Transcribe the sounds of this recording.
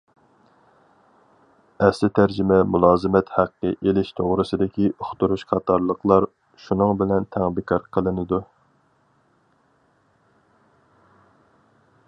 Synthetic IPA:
ɛslɪt̪ʰæɾd͡ʒɪmɛmulˠɑːzɨmɛt̪hæqːə̰ʔelɪʃt̪ʰoʁɾɨsɨd̪ɪkʲiʔoχt̪uɾuʃqʰɑt̪ʰɑɾlˠəqlˠɑɾ | ʃunɨŋbɪlɛnt̪ʰæŋbɪkʲʰɑɾqʰəlˠɨnɨd̪u

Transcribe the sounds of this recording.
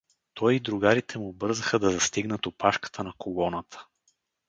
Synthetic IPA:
t̪ɔjid̪ɾʊɡaɾit̪ʰɛmubɤɾzəxəd̪ɐzɐst̪iɡnət̪opaʃkə̥t̪ʰənɐkʰolˠɔnət̪ʰə̥

